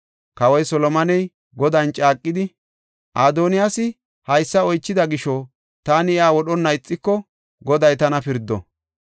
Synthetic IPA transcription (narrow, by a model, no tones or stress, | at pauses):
kɐwɔjsɔlɔmɐnɛj | ɡɔd̪ɐnt͡ʃʼaːkʼːɪd̪ɪ | ʔaːd̪oːnɪjasɪ | hɐjsːɐɔjt͡ʃːɪd̪ɐɡɪʃɔ | t̪aːnɪɪaːwɔɗɔnːɐɪt͡sʼːɪkːɔ | ɡɔd̪ɐjt̪ɐnɐpɪɾd̪ːɔ̰